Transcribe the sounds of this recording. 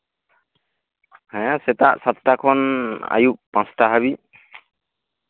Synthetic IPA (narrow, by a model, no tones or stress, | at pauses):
hɛ̃sɛt̪aʔsat̪takʰɔna̰juʔpãnstaɦaβi